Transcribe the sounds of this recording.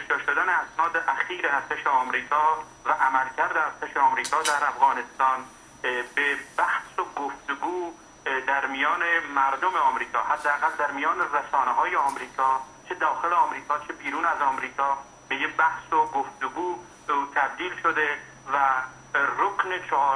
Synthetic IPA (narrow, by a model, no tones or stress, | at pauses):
eʃɑːʃod̪æneæsnɒːd̪eʔæxiːɾeæɾt̪ʰeʃeɒːmɾiːkʰɒː | væʔæmælcʰæɾd̪eæɾt̪ʰeʃeɒːmɾiːkʰɒːd̪æɾæfɣɒːnest̪ɒːn | bebæhsoɡoft̪eɡuː | d̪æɾmijɒːnemæɾd̪omeɒːmɾiːkʰɒːhæd̪ːeæɣæld̪æɾmijɒːneresɒːneɦɒːjeɒːmɾiːkʰɒː | t͡ʃʰed̪ɒːxeleɒːmɾiːkʰɒːt͡ʃʰebiːɾuːnæzɒːmɾiːkʰɒː | b̥ejebæhsoɡoft̪eɡuː | t̪ʰæb̚d̪iːlʃod̪e | væ | ɾoknet͡ʃʰː